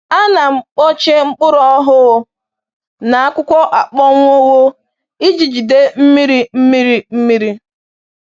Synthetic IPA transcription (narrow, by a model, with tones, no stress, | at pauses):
a˦na˨ŋ͡m̩˦˨k͡pɔ˦t͡ʃe˦ŋ͡m̩˦k͡pʊ˦ɾɔ˦ɔ˦ɦʊ˦ɣ | na˨a˦kʷʊ˦kʷɔ˦ʔa˨k͡pɔ˦ŋʷ˦o˦wo˦ | i˦d͡ʒi˨d͡ʒi˨de˦m̩˦mi˦ɾi˦m̩˦mi˦ɾi˦m̩˦mi˦ɾi˦